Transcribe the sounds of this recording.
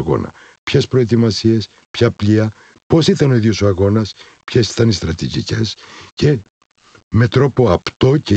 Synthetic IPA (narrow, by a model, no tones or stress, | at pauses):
ɣo̞̰nɐ̰ | pçe̞spɾo̞et̪̬imɐsie̞s | pçɐpliɐ | po̞sit̪ɐno̞iðiosoɐɣo̞nɐs | pçesi̥t̪ɐnist̪ɾɐt̪iʝḭce̞sce̞ | me̞t̪ɾo̞po̞ɐpt̪o̞ce